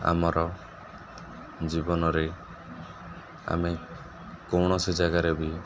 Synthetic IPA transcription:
a̰mɔɾɔ | d͡ʒibɔnɔɾe | a̰me | kɔwɽ̃ɔsid͡ʒaɡaɾebi

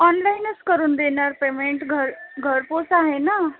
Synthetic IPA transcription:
ɔnlainəskəɾuːnd̪enaɾpemeɳʈɡʱəɾɡʱəɾposaɦena

